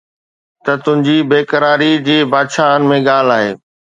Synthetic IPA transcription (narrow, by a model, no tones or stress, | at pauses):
t̪ɐt̪ʊ̃ɦɪ̃ɲd͡ʑiːbeːkəɾaːɾid͡ʑeːbaːd̪ʃaːɦənɪ̆mẽɠaːl̤aːɦeː